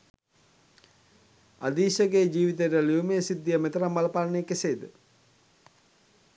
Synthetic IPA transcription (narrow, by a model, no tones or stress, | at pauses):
a̰d̪iːʃəɡeːd͡ʑiːʋit̪̬eʈəliumeəsid̪ːijəmet̪əɾambalɐpaːlnejkeseːd̪ə